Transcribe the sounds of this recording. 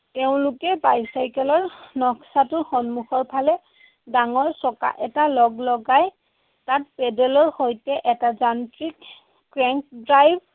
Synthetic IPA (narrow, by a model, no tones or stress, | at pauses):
teʊ̃lʊkɛbajsajkɛlɔɹnɔksatʊxɔnmuxɔɹpʰalɛ | daŋɔɹsɔka̰ʔɛtalɔɡlɔɡaj | tat̚pɛdɛlɔɹxojtɛʔɛtazantɹikː | ɹɛŋk̚dɹajb̚